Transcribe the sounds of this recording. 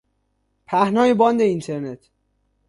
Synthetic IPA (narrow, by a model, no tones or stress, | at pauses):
pʰæhnɒːjebɒːnd̪eint̪ʰeɾnet̪ʰ